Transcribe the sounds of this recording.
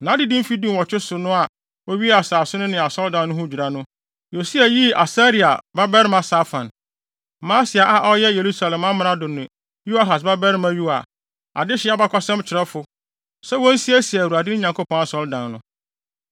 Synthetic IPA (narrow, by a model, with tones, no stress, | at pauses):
nã˨˦dɪ˦dĩ˦fi˦dĩ˦m˨ɔ˨t͡ɕᶣɪ˦sʊ˨nʊ̃˦a˨ | wo˦ɥi˦a˨saː˨sʊ˦nʊ̃˦nɪ̃˨a˨sɔ˦ldã˨nː˦ʊ̃˦hʊ˦˨d͡ʑᶣu˨ɾa˨nʊ̃˦ | jo˨si˦a˨ji˦a˨sa˦ɾi˦˨a̰˨ba˦bɛ˦ɾɪ˦mã˨sa˦fã̰˨n | mã˦sɪ˨a˨ʔa˨ʔɔ˦jɛ˦je˨ɾu˦sa˨lɛ̃˨mã˦m̃˨˦nã˦dʊ˨nʊ̃˨ | ju˦a˦˨ɦa˨s̬ba˦bɛ˦ɾɪ˦mã˨ju˦a̰˨ | a̰˨dɪ˦ɕɪ˨˦a˦ba˦kʰʷɔ˦sɛ̃˦mt͡ɕʰɪ˨ɾɛ˦fʊ˦ | sɛ˦wɔ̃˦n̩˦si˦æ˦si˨wu˨ɾa˨dɪ˦ɪ˦ɲã˨ŋkʰo˦pʰɔ̃˦na˨sɔ˦ldã˨nːʊ̃˦